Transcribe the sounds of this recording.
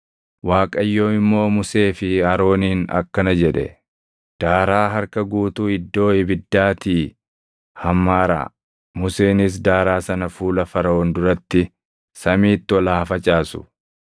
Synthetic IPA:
waːkʼɐjːo̞ːɪmːo̞ːmʊse̞ːfɪɐɾo̞ːniːnɐ̰kːɐnɐd͡ʒɛᶑɛ̰ | d̪̥aːɾaːɦɐɾkɐɡuːt̪uɪd̪ːo̞ːɪbɪd̪ːaːt̪iː | hɐmːaːɾa̰ː | mʊseːnɪs̬d̪aːɾaːsɐnɐfuːlɐfɐɾɐoːnd̪ʊɾɐt̪ːɪ | sɐmiːt̪ːɪɔlɐɐfɐt͡ʃʼaːsʊ̥̰

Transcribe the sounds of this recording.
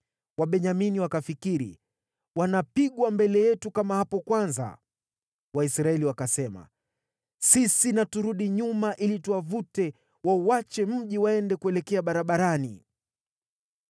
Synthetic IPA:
waɓɛɲaminiwakafikiɾḭ | wanapiɠwambɛlɛjɛtukamahapɔkwanza̰ | waisɾaɛliwakasɛma̰ | sisinatuɾuɗiɲumaʔilituwavutɛ | wauwat͡ʃɛm̩ʄiwaɛndɛkuɛlɛkɛaɓaɾaɓaɾani

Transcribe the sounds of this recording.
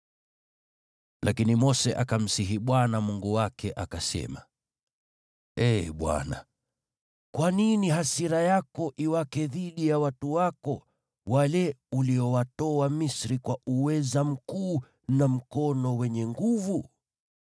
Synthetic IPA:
lʔakinimɔsɛʔakam̩siɦiɓwanamuŋɡuwakʰɛʔakasɛ̰ma̰ | ɛɓwa̰na̰ | kwaniniɦasiɾajakɔʔiwakɛðiɗijawatuwakɔ | walɛuliɔwatɔamisɾikwauwɛzam̩kuː | nam̩kɔnɔwɛɲɛŋɡuvu

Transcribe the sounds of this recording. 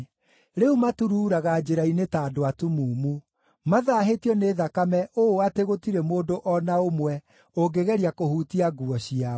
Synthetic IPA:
ɾeumatuɾuːɾaɣaːd͡ʑeɾainetaːdoatumuːmu | maðaːɦetiɔneːðakamɛʔooateɣotiɾemoːdoʔɔnaomwɛ | oɡeɣɛɾiakohuːtiaɡuɔɕia

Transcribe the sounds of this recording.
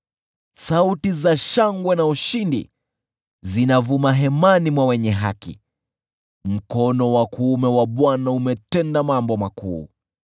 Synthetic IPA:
sautizaʃaŋɡwɛnauʃindḭ | zinavumaɦɛmanimwawɛɲɛɦa̰kḭ | m̩kɔnɔwakuːmɛwaɓwanaumɛtɛndamambɔmakṵː

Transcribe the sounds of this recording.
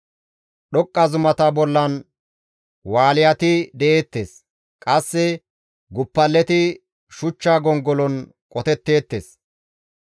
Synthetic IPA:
ɗɔkʼːɐzʊmɐt̪ɐbɔlːɐn | waːlɪjɐt̪ɪd̪ɛʔe̞ːt̪ːḛːs | kʼɐsːɛ | ɡʊpːɐlːɛt̪ɪ | ʃʊt͡ʃːaːɡɔŋɡɔlɔn | kʼɔt̪ɛt̪ːe̞ːt̪ːḛːs

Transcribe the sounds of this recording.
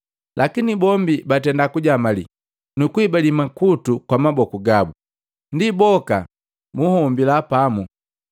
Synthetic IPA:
lʔakinibɔmbibatɛndakuɟamalḭ | nukuibalimakutukwamabɔkuɡabu | ndibɔka | muhɔmbilapamu

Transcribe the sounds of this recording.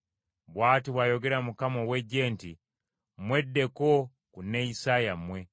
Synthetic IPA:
βwaːtiβwajo̞ɡe̞ɾamukamowe̞ɟːe̞ːntḭ | mwe̞dːe̞ko | kunːeisajamwe̞

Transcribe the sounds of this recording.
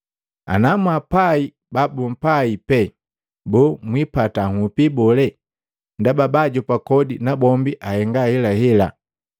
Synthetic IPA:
a̰namuapai | babum̩paipɛ | bɔmwipataŋupibɔlɛ | ndababaɟɔpakɔdinabɔmbiʔahɛŋɡahɛlahɛla̰

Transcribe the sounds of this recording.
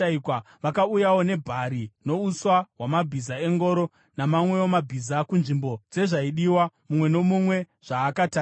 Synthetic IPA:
aikwa | ʋakaujawo̞ne̞bʱaɾino̞uswaɦwamabʱizae̞ŋɡo̞ɾo̞ | namamwe̞omabʱizakunʐimbo̞d͡ze̞ʐaiɗiwamumwe̞no̞mumwe̞ | ʐ̥aːkataː

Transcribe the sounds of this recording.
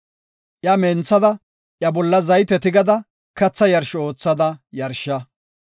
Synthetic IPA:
ʔjɐment͡sːɐd̪ɐ | ʔjɐbɔlːɐzɐjt̪ɛt̪ɪɡɐd̪ɐ | kɐt͡sːɐjɐɾʃɔo̞ːt͡sːɐd̪ɐjɐɾʃːɐ

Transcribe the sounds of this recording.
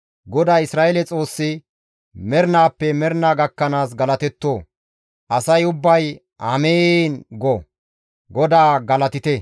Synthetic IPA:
ɡɔd̪aːɪsɾaːɛlɛt͡sʼo̞ːsːɪ | mɛɾnaːpːɛmɛɾnaːɡɐkːɐnaːs̬ɡɐlɐt̪ɛt̪ːoː | ʔɐsɐjʊbːɐj | ɐmeːnɡɔ | ɡɔd̪aːɡɐlɐt̪ɪt̪ɛ

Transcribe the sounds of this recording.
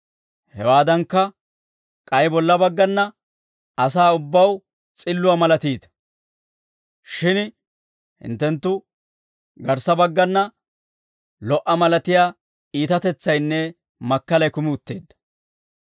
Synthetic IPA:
hɛwaːd̪ɐŋkːɐ | kʼɐjbɔlːɐbɐɡːɐnːɐ | ɐs̬aːʊbːɐw | t͡sʼɪlːʊwɐmɐlɐt̪iːt̪ɐ̥ | ʃɪn | hɪ̰nt̪ːɛnt̪ːʊ | ɡɐɾsɐbɐɡːɐnːɐ | lɔʔɐmɐlɐt̪ɪjaː | iːt̪ɐt̪ɛt͡sːɐjnːɛ | mɐkːɐlɐjkʊmɪʊt̪ːe̞ːd̪ːɐ̥

